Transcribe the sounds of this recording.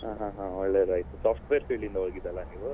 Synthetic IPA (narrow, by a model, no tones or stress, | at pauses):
ɦãːɦãːɦãɔɭːeɾaːjt̪usaːpʰʈʋeːɾpiːɭind̪ɐɦoːɡid̪ɐlːɐniːʋu